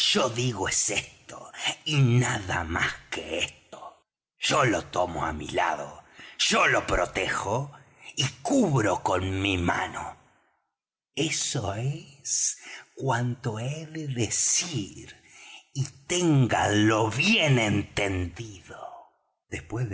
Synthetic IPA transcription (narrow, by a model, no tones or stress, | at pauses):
ʒ̥oðiɣoesest̪oinaða̰maskeest̪o̥ | ʒ̥olot̪omo̰a̰mḭla̰ðo̰ʒ̥olo̞pɾot̪exo | ikuβɾokonmima̰no̰ | esoeskwant̪o̞eððesiɾ | it̪eŋɡa̰loβjenẽnt̪end̪iðo | ðespwe